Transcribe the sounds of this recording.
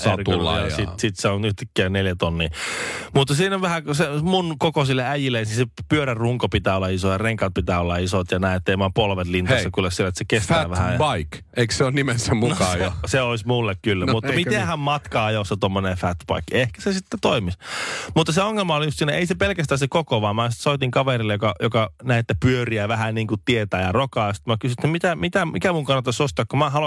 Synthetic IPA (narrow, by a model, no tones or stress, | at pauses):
sɑrk̪ul̰ːjɑsit̪sit̪seonyht̪ækːiæneljæt̪onːiːmut̪ːɑsiːnoʋʋæhæksemunkokosilːeæjilːensisepyøɾærruŋkopit̪æːolːɑisojɑreŋkɑt̪̚pit̪æːolːɑisot̪jɑnæiet̪ːeimɑːpolʋet̪linɑsːɑkulːæsielːˑet̪sekestfæːʋæhæjbɑik | eikseonnimesːæmukɑeseoismulːekkylːæmut̪ːɑmit̪ehæmmɑt̪kɑːɑjosːet̪omːonefæt̪bɑ̰ikːehkæ̥sesit̪ːet̪oimismut̪ːɑseoŋːelmɑolijust̪siːnæeisepelkæst̪æːsekokoʋɑːmæːsi̥t̪soit̪iŋkɑʋerilːejokɑjokɑnæiet̪ːæpyøriæʋæhæniːŋkutt̪iet̪æːjɑrokɑˑːst̪mækysyset̪ːæmit̪æmit̪æmikæmuŋkɑnːɑt̪ːɑsost̪ɑkkumæːhɑlo